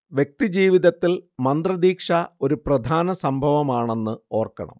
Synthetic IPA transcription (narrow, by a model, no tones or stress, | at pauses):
ʋjek̚t̪id͡ʑiːʋiðɐt̪ːilmɐnd̪rɐd̪iːkʂɐo̞ɾuprɐd̪ʱaːnɐsɐmbʱɐʋɐmaːɳe̞nːɨo̞ːrkɐ̰ɳɐ̰m